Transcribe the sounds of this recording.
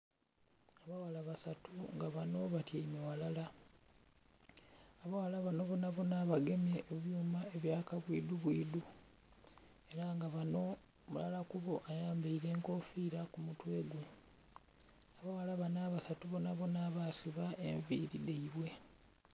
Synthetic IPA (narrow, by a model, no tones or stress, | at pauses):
aβawalaβasatuŋɡaβano̞βatjaimewalala | aβawalaβano̞βo̞naβo̞naːβaɡe̞mjeʔːβjuːmaeβjaːkaβwiːduβwiːdu | e̞ɾaŋɡaβano̞ | mulalakuβo̞ʔajaːmbeiɾe̞ːŋko̞fiːɾakumutwe̞ːɡwe | aβawalaβanaβasatuβonaβo̞naβasiβaʔe̞ɱviːɾide̞iβwe̞